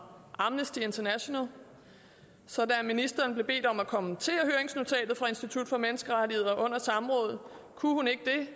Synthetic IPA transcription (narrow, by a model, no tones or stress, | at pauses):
ʔɑ̈mnəsd̥ie̝nt͡sʰɐnæɕo̝næl | sɒ̽d̥æminisd̥ɐːnb̥le̝b̥e̝̰ːd̥ɒ̽mækʰɒ̽mənt͡sʰe̝̰ːɐɦøːɐeŋsno̝t͡sʰɛ̰ːd̥ð̩ˠfʁɑ̈e̝nsd̥it͡sʰud̥fɒ̽menəsɡ̥əʁad̥ihe̝ð̞̰ˠɐʔɔ̽n̰ɐsɑ̈mʁɔ̽ːð̞̩ˠ | kʰuhune̝ɡ̥əd̥e̝